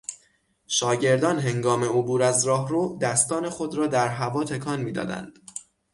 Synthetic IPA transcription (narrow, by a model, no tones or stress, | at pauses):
ʃɒːɟe̞ɾd̪ɒːnɦe̞ŋɡɒːme̞obuːɾæzɾɒːɦɾoːd̪æst̪ɒːne̞xod̪ɾɒːd̪æɾɦævɒːt̪ʰe̞kʰɒːnmiːd̪ɒ̰ːd̪æ̰nd̪̥